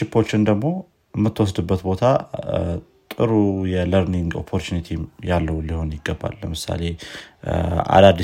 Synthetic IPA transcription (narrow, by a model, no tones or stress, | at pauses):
ɪpʰːo̞t͡ʃːɪnd̪əɡmo̞ | mːɨt̪ʰːwɔsd̪ɨbːət̪bo̞t̪ʰa | t̪ʼɨɾujɛləɾniŋɡo̞̰pʰːo̞ɾt͡ʃunit̪ʰimjalːəhuliho̞njɪɡːəbːa̰lːəmɨsa̰le̞ | a̰d̪ad̪ːi